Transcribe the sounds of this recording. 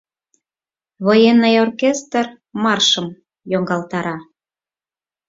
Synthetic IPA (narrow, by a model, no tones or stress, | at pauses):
βojenːəjorkest̪r | mɑrʃə̆m | joŋɡɑlt̪ɑɾɑ